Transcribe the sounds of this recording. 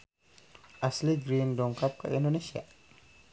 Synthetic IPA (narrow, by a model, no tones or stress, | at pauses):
asliɡɾindɔŋkap̚ka̰indonesia̰